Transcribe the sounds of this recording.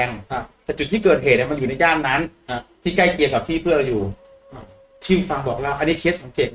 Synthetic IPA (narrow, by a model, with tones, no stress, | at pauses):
ɛ˧ŋ˧t̪ɛː˨˩t͡ɕu˨˩t̪̚ʰːiː˥˩kɤː˨˩t̪̚heː˨˩t̪̚niː˨˩ma˧njuː˨˩na˧jaː˥˩ŋnːa˦˥n˧˩t̪ʰiː˥˩ka˥˩jki˧əka˨˩t̪ʰiː˥˩pʰɯ˥˩əɾa˧wjuː˨˩ | t̪ʰi˥˩wfa˧ŋbɔː˨˩k̚lɛː˦˥˩wʔa˧ni˦˥˩kʰeː˦˥s̚sa˨˦mt͡ɕe˨˩t̪̚